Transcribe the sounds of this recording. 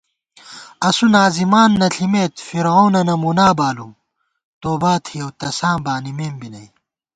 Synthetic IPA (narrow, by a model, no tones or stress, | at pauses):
ɐsunaːzimaːnːɐɬʰimeːt̪fiɾoːnɐnɐmunaːbaːlu | t̪oːbaːt̪ʰijɐwt̪ɐsãːmbaːnimeːmbinɐj